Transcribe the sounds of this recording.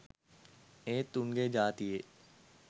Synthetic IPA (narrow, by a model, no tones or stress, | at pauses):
ẽːt̪ʊŋɡed͡ʒaːt̪ie